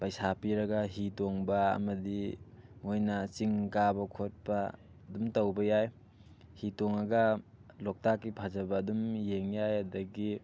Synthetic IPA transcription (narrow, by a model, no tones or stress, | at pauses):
pajsapiɾɐɡɐɦitoŋbɐɐ̰mɐdiŋojnɐt͡ʃiŋkabɐkʰot̚pɐ | dumtɐwbɐjaj | hitoŋɐɡɐlok̚takːipʰazɐbɐːdumjeŋjajɐdɐɡi